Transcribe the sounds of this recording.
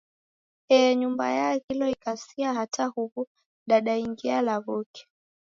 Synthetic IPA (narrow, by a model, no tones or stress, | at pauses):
ɛɲumba̰jaɣilɔikasiaɦatahuβu | ɗaɗaiŋɡialaβɔkɛ̥